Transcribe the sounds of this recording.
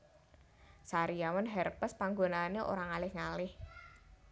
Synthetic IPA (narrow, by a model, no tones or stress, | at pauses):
saɾijawənɦɛrpəspaŋɡonaːneʔo̰ɾaŋalɪhŋalɪh